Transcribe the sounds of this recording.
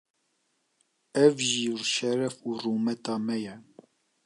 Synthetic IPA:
ɛvʒirʃɛɾɛfuːruːmɛt̪ɑːmɛjɛ

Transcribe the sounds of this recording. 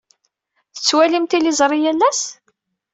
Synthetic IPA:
θə̥t͡sːwælimt̪ilizˤɾˤijælːæs

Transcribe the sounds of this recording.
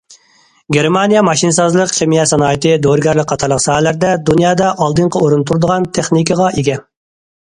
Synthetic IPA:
ɡʲeɾmɑnijɛmɑʃinɨsɑzlˠəqχʲemijɛt̪sɑnɑːjt̪ɨd̪oɾɡʲæɾlɪkʲqʰːɑt̪ʰɑɾlˠəqsɑːhɛlæɾd̪ɛd̪unjɑːd̪ɑʔɑlˠd̪ɨɴqʰɑuɾunt̪ʰuɾd̪əʁɑnt̪ʰeχnikʲəʁɑʔeɡʲɛ

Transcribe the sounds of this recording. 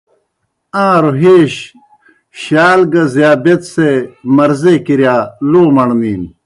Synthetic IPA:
ãːɾoɦeːɕ | ɕaːlɡɐzjaːbet̪semɐɾzekiɾjaːloːmɐɳniːn

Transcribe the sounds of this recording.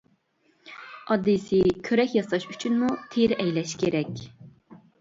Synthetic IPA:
ɑd̪ːisikʲʰøɾɛkʲjɑsɑʃyt͡ʃʰynmut̪ʰiɾɛjlɛʃɡʲeɾɛkʲ

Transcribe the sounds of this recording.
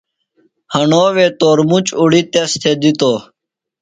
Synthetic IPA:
həɳoːʋeːt̪oːɾmut͡ɕuɽit̪est̪ʰeːd̪it̪oː

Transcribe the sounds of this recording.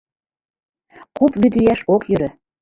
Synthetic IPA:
kupβyd̪yjæʃokjø̆ɾø̆

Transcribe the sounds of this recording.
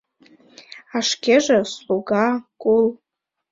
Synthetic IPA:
aʂkʲaʐasluɡakʼʊl

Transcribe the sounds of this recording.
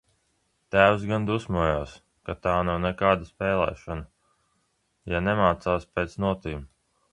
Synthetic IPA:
t̪æːws̬ɡand̪usmuɔjaːs | kat̪aːnawnɛkaːd̪aspɛːlˠɛ̰ːʃana | janɛmaːt̪saːspʲeːt̪snuɔt̪iːm

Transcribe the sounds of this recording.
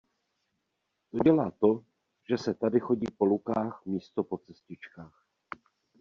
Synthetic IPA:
t̪o̞ɟɛlaːt̪o̞ | ʒ̥ɛsɛt̪adɪxo̞ɟiːpo̞lukaːxmiːst̪o̞po̞t͡sɛscɪt͡ʃkaːx

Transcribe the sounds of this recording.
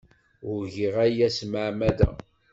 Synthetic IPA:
ʊɾʝiʁæjæsmaʕmæd̪æ̰

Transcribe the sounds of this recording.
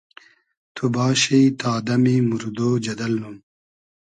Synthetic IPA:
t̪ʰubɑːɕeit̪aːd̪ɐmimuɾd̪oːd͡ʑɐd̪ɐlnum

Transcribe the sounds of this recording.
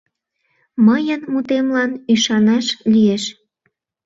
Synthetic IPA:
məjənmut̪emlɑnyʃɑnɑʃlieʃ

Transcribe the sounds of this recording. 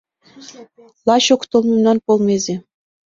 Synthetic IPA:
lˠɑɕokt̪olˠmumnɑnpolˠmezi

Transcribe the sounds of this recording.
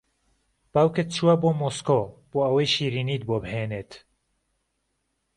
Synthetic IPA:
b̥aːwkɨt̪̚t͡ʃʰuaboːmoskoːb̥oːɐwɐjʃiːɾiːniːt̪boːbheːneːt̪

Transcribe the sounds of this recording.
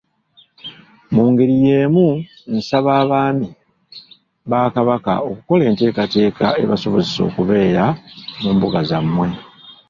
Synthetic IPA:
muːŋɡeɾije̞ːmu | n̩saβaːβaːmi | βaːkaβaka̰o̞kuko̞le̞ːnte̞ːkate̞ːkʰa̰e̞̰βaso̞βo̞ziso̞̰ːkuβe̞ːɾamuːmbuɡazamːwe̞

